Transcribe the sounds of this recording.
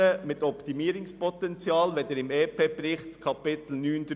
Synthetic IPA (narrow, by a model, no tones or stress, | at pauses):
əmɪt̪ɔpt̪imiːɾʊŋspʰɔt̪ɛnt͡sjɑːlʋɛd̥̪eːɾɪmeːpʰeːb̥ɾɪχt̪kʰɑpɪt̪l̩nyːnd̪